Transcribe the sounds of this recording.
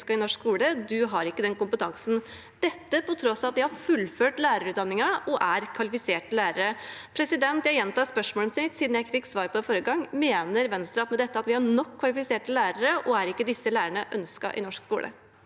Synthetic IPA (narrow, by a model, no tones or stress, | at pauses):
skɑɪnɔʂkskuːləd̪ʉɦɑɾɪkːəd̪ɛnkʊmpət̪ʰɑŋsn | d̪̥ɛt̪ːəpɔt̪ʰɾɔsɑt̪̚d̪ɪhɑɾfʉlføːʈlæːɾəɾʉːt̪d̪ɑnːɪŋɑɔʔæɾkʰʋɑlɪfɪseːʈəlæːɾəɾəpʰɾɛsɪd̪ɛnt̪jæɪjɛnt̪ɑspœʂmoːmsɪt̪siːd̪n̩jæɪkːfɪkːsʋɑːɾpʰɔɪfɔɾəɡɑŋːmeːnəɾʋɛnst̪ɾɑt̪mɛd̪ɛt̪ːəɑt̪ʋɪhɑɳɔkʰːʋɑlɪfɪseːʈəlæːɾəɾəʔɔæɾɪkːəd̪ɪsːəlæːɾəɳəʔœnskɑ̰ʔɪ̰nɔʂkskuːlʔə̰